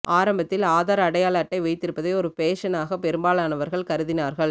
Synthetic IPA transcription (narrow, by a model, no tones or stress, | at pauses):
ʔaːɾɐmbɐt̪ːɪlaːðaːɾɐɐɽɐjaːlɐːʈːɐɪʋɐɪt̪ːɪɾɯpːɐðɐɪɔɾɯpeːʂɐnaːɣɐpːɛɾɯmbaːlaːnɐʋɐɾɣɐɭkɐɾɯðɪnaːɾɣɐɭ